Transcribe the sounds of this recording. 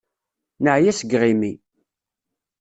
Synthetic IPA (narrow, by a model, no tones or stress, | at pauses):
nəʕjæsəɡʁimi